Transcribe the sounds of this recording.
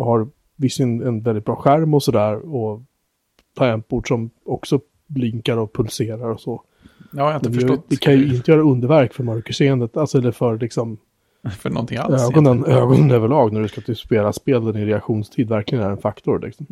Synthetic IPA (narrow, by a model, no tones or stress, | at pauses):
haɾ | vɪsːɪnɛnvɛlɪt̪̚bɾɑːɧæɾmɔsɔd̪æːɾɔ | t̪ʰɑːɛnpuːɖʂɔmɔksɔ | lɪŋkaɾɔpʰɵlseːɾaɾɔsɔ | ɛd̪ɛjd̪ɛkʰanjɵɪnt̪əjœːɾaɵnd̪əɾvæɾkfœɾmœɾkəʂeːənd̪ət̪alsɔɛlːəɾfœɾlɪksɔm | fœnɔ̰nt̪ʰɪŋa̰øːɡɔnənøːɡɔnənøːvəɭɑːɡnæɖɵskat̪ʰɪlspeːlaspeːld̪ɛnɪnɾɛakɧuːnst̪ʰiːd̪væɾklɪɡənæɾɛnfakt̪ʊɾlɪ̰ksɔm